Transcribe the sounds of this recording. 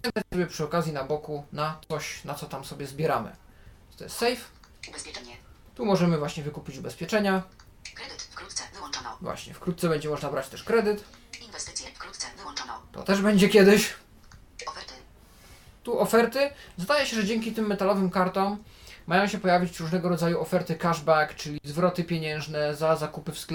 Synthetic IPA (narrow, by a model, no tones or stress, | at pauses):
ɛnt̪at͡ɕsɔbʲɛpʂɘɔkazʲjinabɔkunat̪sɔɕnat̪sɔt̪amsɔbʲjɛzbʲjɛɾa̰mɘ̰ | t̪ɔ̰jɛ̰st̪sɛjfspʲ | t̪umɔʐɛmɘvwaɕɲɛvɘkupʲit͡ɕubɛspʲjɛt͡ʂɛɲa | t̪ɔvwa̰ɕɲɛ̰fkɾut̪̚sɛbɛɲd͡ʑɛmɔʐnabɾat͡ɕt̪ɛʂkɾɛd̪ɘt̪ | ɔt̪ɔ̰t̪ɛʐbɛɲd͡ʑɛkʲjɛd̪ɘɕ | t̪uʔɔfɛɾt̪ɘzd̪ajɛɕɛʐɛd͡ʑɛŋkʲit̪ɘmːɛt̪alɔvɘmkaɾt̪ɔmːajɔ̃w̃ɕɛpɔjavʲit͡ɕɾuʐnɛɡɔɾɔd̪zajuɔfɛɾt̪ɘkaʐbakt͡ʂɘlʲizvɾɔt̪ɘpʲjeɲɛ̃w̃ʐnɛzazakupɘfskl